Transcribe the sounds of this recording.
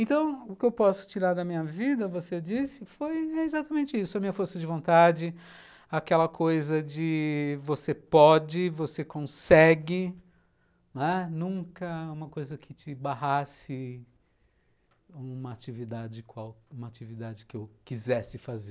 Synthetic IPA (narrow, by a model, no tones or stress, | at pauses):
ẽnt̪ɐ̃w̃ʊkɪewpɔsʊ̥t͡ʃiɾaɾd̪ɐmĩɲɐvid̪ɐvosed͡ʒisɪfojɛezat̪ɐmẽnt͡ʃɪisʊɐmĩɲɐfoɾsɐd͡ʒɪvõnt̪ad͡ʒɪ | akɛlɐkʰojzɐd͡ʒɪvosepɔd͡ʒɪvosekõsɛɡɪ | nɛnũkɐũmɐkojzɐkʰɪt͡ʃɪbaɦasɪ | ũmɐat͡ʃivid̪ad͡ʒɪkwawũmɐat͡ʃivid̪ad͡ʒɪkɪewkizɛsɪfazeɾ